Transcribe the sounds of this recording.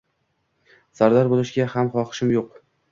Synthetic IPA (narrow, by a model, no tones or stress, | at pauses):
saɾd̪aɾbolˠɪʃɡʲahamχɒqʰɨ̥ʃɪmjoq